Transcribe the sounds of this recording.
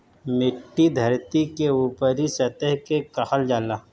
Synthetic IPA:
mɪʈːid̪ʱɐɾt̪ikeuːpəɾisɐt̪əɦkekɐhəld͡ʒaːlaː

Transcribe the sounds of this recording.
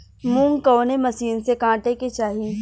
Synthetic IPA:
mũːŋɡkɔːnemɐsiːnsekãːʈeket͡ʃaːɦi

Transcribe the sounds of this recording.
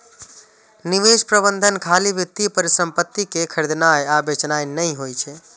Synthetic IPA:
niʋespɾəbənd̪ʱənkʰalibjit̪ːipəɾisəmpət̪ːikekʰəɾd̪najabet͡ʃnajnəjɦojt͡ʃʰɛ

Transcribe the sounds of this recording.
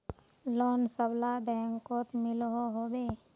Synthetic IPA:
loːnsəblabɛ̃ːŋkoːt̪mɪlɦoɦobeː

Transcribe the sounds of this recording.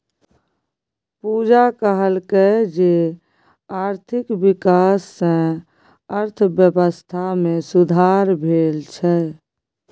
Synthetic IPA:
pud͡ʒakəɦəlked͡ʒe | aɾt̪ʰikbikasːẽ | əɾt̪ʰbjəbəst̪ʰamesud̪ʱaɾbʱeːlt͡ʃʰɛ

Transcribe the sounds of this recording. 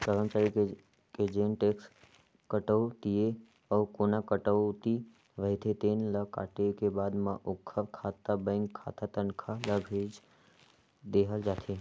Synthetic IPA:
səɾəmt͡ʃaɾike | ked͡ʒenʈeks | kəʈəwt̪ie | əʋkonakəʈəʋt̪i | ʋəɦɪt̪ʰet̪enləka̰ːʈekebad̪mãʔʊkʰːəɾkʰat̪abə̃ŋɡkʰa̰t̪at̪ənkʰaləbʱed͡ʒ | d̪eɦəld͡ʒaːt̪ʰe

